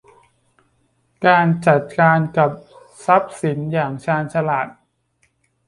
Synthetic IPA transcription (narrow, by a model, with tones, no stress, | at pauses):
kaː˧nt͡ɕa˨˩t̪̚kaː˧nka˨˩p̚ | sa˦˥p̚si˩˦njaː˨˩ŋt͡ɕʰaː˧nsʰa˧laː˨˩t̪̚